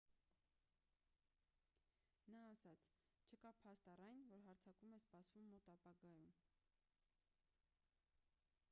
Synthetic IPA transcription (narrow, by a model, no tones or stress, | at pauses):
nɑːsɑt͡sʰ | t͡ʃʰəkɑpʰɑst̪ɑrɑjnvɔɾɦɑɾt͡sʰɑkumɛspɑsvumːɔt̪ɑpɑɡɑjum